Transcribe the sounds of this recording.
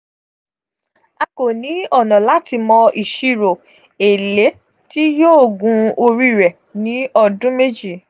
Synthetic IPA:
a˧ko˨nĩ˨˦ɔ˦˨nɔ̃˨la˨˦ti˧mɔ̃˧ʔi˨ʃi˧ɾo˨ | e˨le˨˦ | ti˦joː˦˨ɡũ˨˦o˧ɾi˦˨ɾɛ˨ | nĩ˨˦ɔ˧dũ˦me˦d͡ʒi˦˨

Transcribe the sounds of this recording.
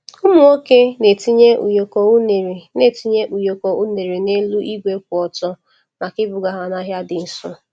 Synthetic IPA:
ʊ˦mʊ˨o˦ke˦ne˨ti˦ɲe˦ṵ˨jo˨ko˨u˦ne˨ɾe˨ne˦˨ti˦ɲe˦ʔu˨jo˨ko˨u˦ne˨ɾe˨ne˦lu˦ʔi˦ɡʷe˦k̚ʷʊ˨ɔ˨tɔ˦ | na˨kɪ˦bʊ˨ɡa˦ɦa˨na˦ɦja˦dɪ˨n̩˨sʊ˦

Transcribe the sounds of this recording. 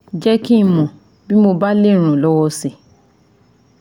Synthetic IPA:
d͡ʒɛ˦ki˦˧˨mɔ̃˨ | bi˦mo˧ba˦le˦˨ɾ̃ũ˨lɔ˦wɔ˧se˨

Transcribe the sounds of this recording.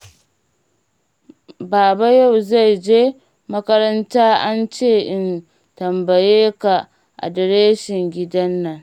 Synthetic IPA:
baː˨ba˦ja˦˨wza˦˨jd͡ʒeː˦ | mɐ˦kɐ˦ɾɐ˦ntaː˦ʔa˦nt͡ʃeː˦˨ʔɪ˦n | tɐ˨mbɐ˨jeː˦ka˨ | ʔa̰˨dɐ˨ɾeː˦ʃɪ˨ŋɡʲɪ˦dɐ˦nːɐ˨ŋ

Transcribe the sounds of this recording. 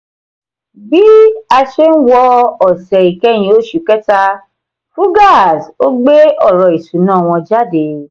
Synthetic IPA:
bi˦a˧ʃe˦n̩˦wɔ˧˦ɔ˨sɛ˨i˨kɛ˦j̃ĩ˧o˦ʃu˨kɛ˦ta˧ | fũ˦ɡa˦˨so˦ɡ͡be˦ɔ˦˨ɾɔ˨i˨su˨˦nãː˦˨w̃ɔ̃˧d͡ʒa˦˨de˨˦

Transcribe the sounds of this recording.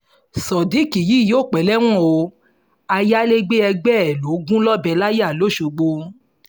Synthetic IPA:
sɔ˨di˨˦˨ki˨ji˨˦˨joː˦˨k͡pɛ˨˦lɛ˦w̃ɔ̃˦˨o˧ | a˧ja˦le˦ɡ͡be˦ɛ˧ɡ͡bɛ˦˨lo˨˦ɡũ˦lɔ˦bɛ˧la˦je˦a˦˨lo˦˨ʃo˧ɡ͡bo˧˦

